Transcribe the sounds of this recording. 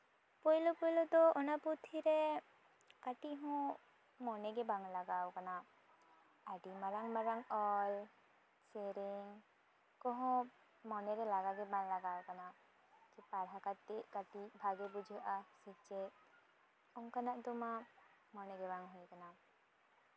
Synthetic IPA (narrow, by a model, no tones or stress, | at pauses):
pɔjlɔpɔjlɔd̪ɔɔnaput̪ʰiɾɛ | kaʈiɦɔ̃ | mɔnɛɡɛbaŋlaɡawkana | aɖimaɾaŋmaɾaŋɔl | seɾiŋ | kɔɦɔ̃ | mɔnɛɾɛlaɡaɡɛbaŋlaɡawkana | kɛpaɾɦakat̪eʔkaʈibʱaɡɛbud͡ʒʱuʔasɛt͡ʃɛ | ɔŋkanaʔd̪ɔma | mɔnɛɡɛbaŋɦujkana